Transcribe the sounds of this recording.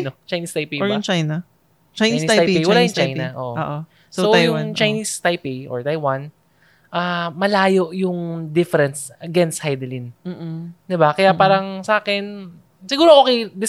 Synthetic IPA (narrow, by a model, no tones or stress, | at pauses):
not͡ʃajniːst̪ajpijbʊŋt͡ʃajnɐ | t͡ʃajisitaajijwɐlaːjʊŋt͡ʃajnɐʔo̰ʔʔo̰ʔo | sojʊŋt͡ʃɐjniːst̪ajpijʔo̰ɹt̪ajwan | ʔamɐlaːjo̞ʔjʊŋd̪ɪfɛɾɛnsɐɡɛnst̪̚hajd̪ɪlin̩ːd̪ɪbakɐjapaːɾɐŋsɐʔaːkɛn | sɪɡuːɾoʔokejd̪ɪ